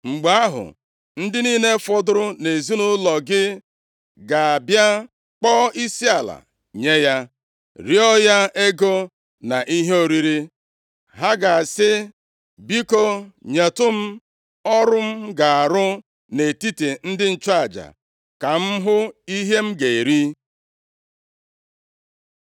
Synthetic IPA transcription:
ŋ͡m̩˨ɡ͡ba˨a˦ɦʊ̰˨ | n̩˦dɪ˦niː˦ne˦fɔ˦dʊ˦ɾʊ˦ne˨zi˦nʊ˦lɔ˨ɡɪ˦ | ɡa˨a˨bja˦ | k͡pɔː˦i˦si˦a˨la̰˨ | ɲe˦ja˦ | ɾi˦ɔ˦ja˦e˦ɡo˦ | na˨ʔi˦ɦe˦o˨ɾi˦ɾi˦ | ɦa˦ɡa˨sɪ˦ | bi˦ko˦ɲe˨tʊ˦m̩˦ | ɔ˦ɾʊ˦m̩˦ɡa˨a˨ɾʊ˦ | ne˨ti˦te˨n̩˦dɪ˦n̩˦˨t͡ʃa˦˨d͡ʒa̰˨ | ka˨m̩˦ɦʊ˦i˦ɦe˦m̩˦ɡe˨e˨ɾi˦

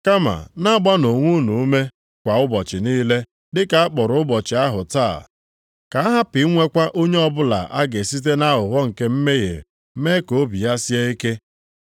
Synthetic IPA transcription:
ka˦ma̰˨na˦ɡ͡ba˦no˨ŋʷu˦nu˨˦me˦ | kʷa˨ʊ˦bɔ˨t͡ʃɪ˨niː˦le˦ | dɪ˦ka˨a˦k͡pɔ˨ɾʊ˨ʊ˦bɔ˨t͡ʃɪ˨a˦ɦʊ˨ta̰ː˦˨ | ka˨a˦ɦa˦pɪ˨˦ŋʷe˦kʷa˦ʔo˦ɲe˦ɔ˦bʊ˦la̰˨ʔa˦ɡe˨si˦t̬e˦na˦ɦʊ˨ɦɔ˦ŋ̩˨ke˦m̩˦me˦jḛ˨˦ | me˦ko˨˦bi˨ja˦si˦e˦i˦ke˦

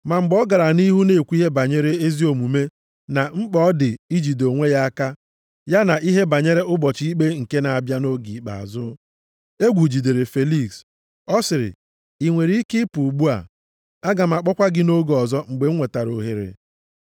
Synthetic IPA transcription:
ma˨ŋ͡m̩˨ɡ͡bɔ˦ɡa˨ɾa˨ni˦ɦu˦ne˦˨kʷi˦ɦe˦ba˨ɲe˦ɾe˦e˦zi˦o˨mu˨me˦ | na˨ŋ͡m̩˦k͡pɔ˦dɪ˨i˦d͡ʒi˨do˨ŋʷe˦ja˦a˦ka˦ | ja˦na˨ʔi˦ɦe˦ba˨ɲe˦ɾe˦ʔʊ˦bɔ˨t͡ʃi˦i˦k͡pe˦ŋ̩˨ke˦na˨a˨bja˦no˦ɡi˨k͡pa̰˨a̰˨zʊ˦ | e˦ɡʷu˨d͡ʒi˨de˨ɾe˨fe˨li˦ks | ɔ˦sɪ˨ɾɪ̰˨ | i˨ŋʷe˨ɾi˦i˦kɪ˦pu˨ɡ͡bu˦a̰˨ | a˦ɡa˨m̩˨a˨k͡pɔ˦kʷa˦ɡɪ˦no˦ɡɔ˨zɔ˦ŋ͡m̩˨ɡ͡be˨ŋ̩˦ŋʷe˨ta˨ɾo˨ɦe˨ɾḛ˨

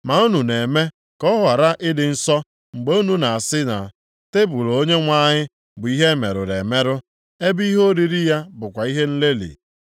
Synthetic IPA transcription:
ma˨u˦nu˨ne˨me˦ | kɔ˦ɦa˨ɾa˦ʔɪ˦dɪ˨n̩˦sɔ˦ | ŋ͡m̩˨ɡ͡be˦u˦nu˨na˨a˨sɪ˦na̰˨ | te˦bʊ˨lo˨o˦ɲe˦ŋʷa˦ɲɪ˦ | bʊ˨i˦ɦe˦me˨ɾʊ̰˨ɾe˨me˦ɾʊ˦ | e˦bi˦ɦo˦ɾi˦ɾi˦ja˦bʊ˨kʷa˨i˦ɦe˦n̩˦le˦lḭ˨

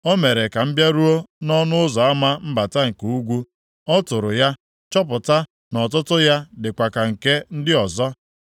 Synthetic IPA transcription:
o˦me˨ɾe˨ka˨m̩˦bja˦ɾu˦o˦nɔ˦nʊ˦ʊ˦zɔ˨a˦ma˦m̩˦ba˨ta˦ŋ̩˨ku˨u˦ɡʷu˦ | ɔ˦tʊ˨ɾʊ˨ja˦ | t͡ʃɔ˦p̬ʊ˨ta˦ | nɔ˨t̬ʊ˦tʊ˦ja˦dɪ˨kʷa˨ka˨ŋ̩˨ke˦n̩˦dɪ˦ɔ˨zɔ˦

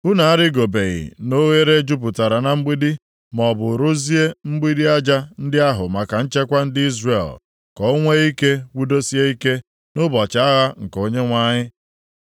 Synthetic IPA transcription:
ʊ˦na˨a˦ɾɪ˦ɡo˨be˨ɣɪ̰˨no˦ɣe˦ɾe˦d͡ʒu˦p̬ʊ˨ta˨ɾa˨na˨m̩˦ɡ͡bi˦di˦ | mɔ˨bʊ˨ɾʊ˦zi˦e˦m̩˦ɡ͡bi˦di˦a˦d͡ʒa˦n̩˦dɪ˦a˦ɦʊ˨ma˨ka˨n̩˦t͡ʃe˦kʷa˦n̩˦dɪ˦i˦zre˨l | kɔ˨o˦ŋʷe˦i˦ke˦wu˦do˦si˦e˦i˦ke˦ | nʊ˦bɔ˨t͡ʃa˦ɣa˦ŋ̩˨ko˦ɲe˦ŋʷa˦ɲɪ˦

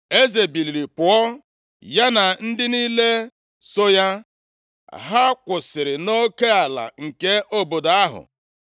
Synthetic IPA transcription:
e˦ze˨bi˨li˨ɾi˨pʊ˨ɔ˦ | ja˦na˨n̩˦dɪ˦niː˦le˦ | so˦ja˦ | ɦa˦kʷʊ˨sɪ˨ɾɪ˨no˦ke˦a˨la̰˨ŋ̩˨ke˦ʔo˦bo˨da˦ɦʊ̰˨

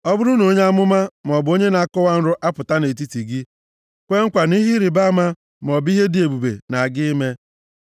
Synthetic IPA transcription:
ɔ˦bʊ˦ɾʊ˦no˦ɲe˦a˦mʊ˦ma˦m˨ɔ˨bo˦ɲe˦na˨a˦˨kʊ˦wa˦n̩˦ɾʊ˦ʔa˦pʊ˨ta˦ne˨t̬i˦ti˨ɡɪ˦ | kʷe˦ŋ̩˦kʷa˨ni˦ɦi˦ɾi˨ba˦ma˦ | m˨ɔ˨bi˦ɦe˦dɪ˨e˨bu˨bḛ˨na˨ɡɪ˦me˦

